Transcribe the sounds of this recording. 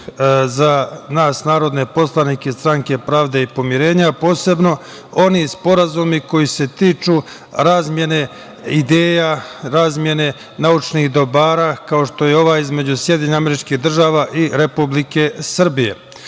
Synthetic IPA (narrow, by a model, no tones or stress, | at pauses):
zanaːsnaːɾo̞d̪ne̞po̞slˠanikest̪ɾaŋke̞pɾaːʋd̪e̞ipo̞mjiɾe̞ːɲapo̞ːse̞bno̞ | o̞nispo̞ɾazumiko̞jise̞t̪iːt͡ʃu | ɾaːzmʲje̞ne̞ | id̪eːjaɾaːzmʲje̞ne̞ | naut͡ʃnihd̪o̞baːɾaːkao̞ʃt̪o̞jeo̞ʋaːizme̞d͡ʑusjed̪jieɲaame̞ɾit͡ʃkiɦd̪r̩ʒaːʋaːʔiɾe̞publike̞sr̩bije̞̰